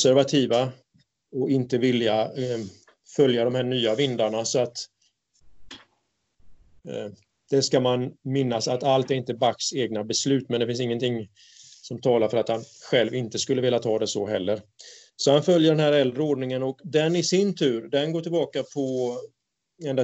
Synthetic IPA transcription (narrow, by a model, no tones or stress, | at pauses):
sæɾvat̪ʰiːva | ɔɪnt̪əvɪlja | fœljad̪ɔmhæːɳyːavɪnd̪aɳasɔat̪ | d̪̥ɛskamanmɪnːasat̪alt̪æɾɪnt̪əbakseːɡ̚nabɛslʉ̟ːt̪mɛnd̪ɛfɪns̬ɪŋːənt̪ʰɪŋ | sɔmt̪ʰɑːlaɾfœɾat̪hanɧɛlvɪnt̪əskɵlːəvɛːlːat̪ʰɑːd̪ɛsɔɦɛlːəɾ | sɔhanfœljəɖɛnhæːɾɛld̪ɾəoːɖnɪŋənɔkd̪ɛnɪsɪnt̪ʰʉ̟ːɾd̪ɛnɡoːʈʰɪlbɑːkapʰɔ | ɛnd̪a